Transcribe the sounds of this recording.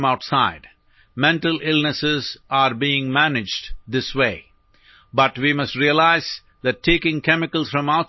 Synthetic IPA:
maʊʈsaɪɖ | mɛ̃ɳʈəlʔɪlnəsɪzaɾbiːɪ̃ŋmænɪd͡ʒɖd̪ɪsweː | bʌʈʋimʌsʈɾiəlaɪz | d̪æʈʰːeːkɪ̃ŋkɛmɪkəlsfɾʌ̃maʊ

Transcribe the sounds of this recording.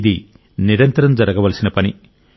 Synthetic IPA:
d̪i | niɾɐnt̪ɐɾɐmd͡ʒɐɾɐɡɐʋɐlɐsinɐpɐni

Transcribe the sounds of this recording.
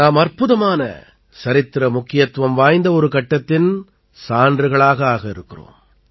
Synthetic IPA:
naːmɐrpʊðɐmaːnɐ̰ | sɐɾɪt̪ːɾɐmʊkːɪjɐt̪ʋɐmʋaːjnd̪ɐɔɾɯkɐʈːɐt̪ːɪn | saːndrɯɣɐɭaːɣɐaːɣɐɪɾɯkːɪro̰ːm

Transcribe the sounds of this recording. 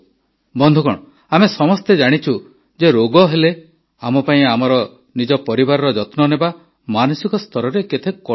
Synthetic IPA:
bɔnd̪ʱukɔɽ̃ɔ | amesɔmɔst̪ed͡ʒaɽ̃it͡ʃʰu | d͡ʒeɾoɡɔɦele | amɔpaĩamɔɾɔ | nid͡ʒɔpɔɾibaɾɔɾɔd͡ʒɔt̪nɔneba | manusikɔst̪ʰɔɾɔɾeket̪ʰekkɔ

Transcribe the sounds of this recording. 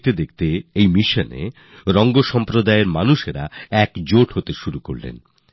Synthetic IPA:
t̪ed̪ek̚ʰt̪eejmiʃonḛ | ɾɔŋɡoʃɔmpɾod̪aeɾmanuʃeɾa̰ɛkd͡ʑoʈɦot̪eʃuɾuko̰ɾlḛn

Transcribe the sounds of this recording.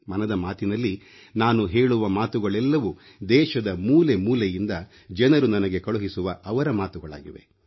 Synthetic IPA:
mɐnɐd̪ɐmaːt̪inɐlːi | naːnuɦe̞ːɭuʋɐmaːt̪uɡɐɭɛlːɐʋu | d̪ɛːʃɐd̪ɐmuːle̞muːlejind̪ɐ | d͡ʒɐnɐɾunɐnɐɡekɐɭuɦisuʋɐɐʋɐɾɐmaːt̪uɡɐɭa̰ːɡiʋe̞̰

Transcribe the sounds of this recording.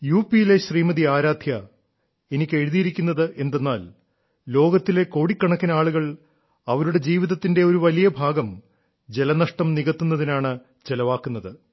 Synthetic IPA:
juːpijile̞ɕriːmɐðiaːɾaːd̪ʱjɐ | e̞nikʲːe̞ɻuðijiɾikʲːunːɐðɨʔe̞nd̪e̞nːaːl | lo̞ːɡɐt̪ːile̞ko̞ːɽikːɐɳɐkːinɐaːɭuɣɐɭ | ɐʋɐɾuɽe̞d͡ʑiːʋiðɐt̪ːinde̞o̞ɾuʋɐlijɐbʱaːɡɐm | d͡ʑe̞lɐnɐʂʈɐmniɣɐt̪ːunːɐðinaːɳɨ | d͡ʑe̞lɐʋaːkːunːɐðɨ

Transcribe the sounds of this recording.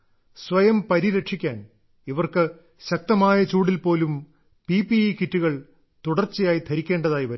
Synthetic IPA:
sʋɐjɐmpɐɾiɾɐʈʂikʲːaːn | iʋɐrkɨ | ɕɐk̚t̪ɐmaːjɐt͡ɕuːɽilpo̞ːlum | pipiikitːuɣɐɭ | t̪uɽɐrt͡ɕːijaːjit̪ʰɐɾikʲːe̞ːɳɖɐðaːjiʋɐɾ

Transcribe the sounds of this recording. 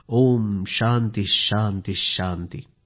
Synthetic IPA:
oːmʃaːnt̪iʃaːnt̪iʃaːnt̪i

